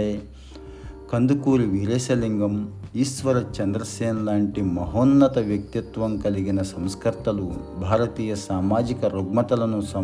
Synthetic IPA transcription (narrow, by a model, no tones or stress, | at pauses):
e | kɐnd̪ukuːɾiʋiɾeːsɐliŋɡɐmiːsʋɐɾɐt͡ʃɐnd̪ɾɐseːnlaːɳʈimɐɦoːnːɐt̪ɐʋjɐk̚t̪jɐt̪ʋɐmkɐliɡinɐsɐmskɐɾt̪ɐlu | bʱaːɾɐt̪iːjɐsaːmaːd͡ʒikɐɾoɡmɐt̪ɐlɐnːusɐ